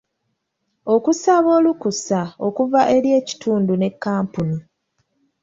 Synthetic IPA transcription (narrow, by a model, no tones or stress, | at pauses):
o̞kusaβo̞ːlukusao̞kuvaʔe̞ɾje̞ːci̥tʰuːndune̞kːaːmpunu